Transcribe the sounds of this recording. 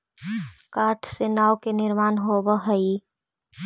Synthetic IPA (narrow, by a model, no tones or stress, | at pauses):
kaʈʰsenaokenɪɾmaːnɦobəɦəi